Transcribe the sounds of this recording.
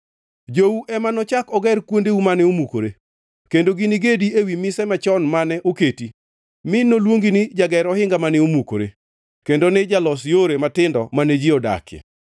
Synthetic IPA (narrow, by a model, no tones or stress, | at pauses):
d͡ʒouʔɛmanɔt͡ʃakɔɡɛrkwondeumanɛomuko̰ɾe | kendoɡinɪɡediewimɪsɛmat͡ʃɔnmanɛʔoketi | mɪnːolwoŋɡinɪd͡ʒaɡɛɾɔhɪŋɡamanɛomuko̰ɾḛ | kendonɪd͡ʒalɔsjoɾematɪndɔmaned͡ʒiɔda̰kɛ̰